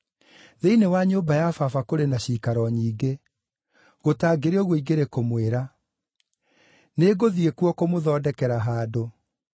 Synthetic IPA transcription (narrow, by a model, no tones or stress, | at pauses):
ðeinewaɲoːbajafafakoɾenaɕiːkaɾɔɲiːɡe | ɣotaːɡeɾeɔɣoiɡeɾekomweɾa | neːɡoðiekuɔkomoðɔːdɛkɛɾaɦaːdo